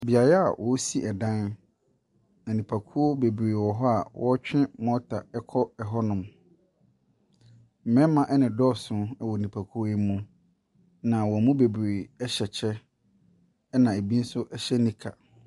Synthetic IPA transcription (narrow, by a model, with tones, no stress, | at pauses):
bi˨a˨ɾɛ˦a̰˨wʔɔ˨˦si˦ʔɛ˨dã˦n | æ˨nĩ˨pʰa˨kʰu˦o˦be˨bɾe˨wɔ˨ɦɔ˦a˨wʔɔ˦t͡ɕᶣɪ̃˦mɔ̃˦tʰa˨ɛ˦kʰɔ˦ɛ˨ɦɔ˦nʊ̃˨m | m̩˨mɛ̃˦mã˦ʔɛ˦nɪ̃˨dɔ˦˨sʊ̃˦ɛ˦˨wɔ˨nĩ˨pʰa˨kʰu˦o˦e˦mũ˦ | nã˨wɔ˨mũ˦be˨bɾe˨ɛ˦ɕɛ˨t͡ɕʰɛ˦ | nã˨e˨bi˦n̩˦sʊ˦ʔɛ˦ɕɛ˦nĩ˦kʰa˨